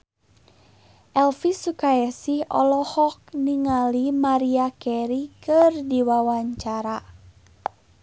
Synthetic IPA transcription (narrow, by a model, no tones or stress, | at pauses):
ʔɛlfisukaɛsihɔ̰lɔhɔk̚niŋalimaɾiakɛɾikɨrdiwawaɲt͡ʃaɾa